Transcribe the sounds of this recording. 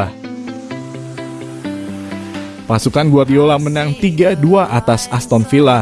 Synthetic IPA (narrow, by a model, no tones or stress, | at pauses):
a | pasukanɡuabiolamənaŋt̪iɡaduaʔat̪asast̪ɔnfila